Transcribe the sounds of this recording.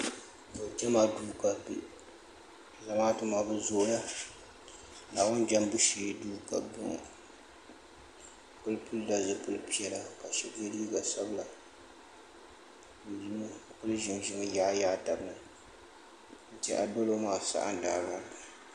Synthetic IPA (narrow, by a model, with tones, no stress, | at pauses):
bo˨d͡ʒɛ˦ma˨duː˦ka˨pḭ˨ʔ | za˨maː˦tɨ˦maː˨bɨ˦zo˦ʔla˦ | laː˨bʊ˦nd͡ʒa˦mbu˦ʃiː˨˦duː˦ka̰˨bʊ̰˦ŋ̰˨ | pʊ˦lpʰʊ˦lda˦˨zɨ˨pʊ˦lpi˦ɛ˦la˦ka˨ʃɛ˦ke˦li˦i˦ɡa˨sa˦bla˨ | di˨nɨ˦pʊ˦lʒɪ˨mʒɪ˦mɨ˦ja˨˦jaː˦ta˨bnɨ˨ | n̩˨tɛ̰˦ʔa̰˨do˦lo˦maː˨sa̰˦ʔa̰˦n˨daː˨ba˦˨